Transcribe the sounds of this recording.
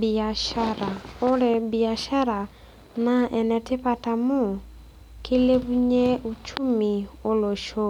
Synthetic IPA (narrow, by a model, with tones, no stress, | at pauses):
bi˨a˨ʃa˦ɾa˨o˦ɾɛ˨bi˨a˨ʃa˦ɾa˨ | na˦ʔɛ˨nɛ˨tɪ˦pa˦ta˨mu˦ | kʰi˦le˦βu˦ɲe˦u˦t͡ʃu˦mi˨o˦lo˨ʃo˦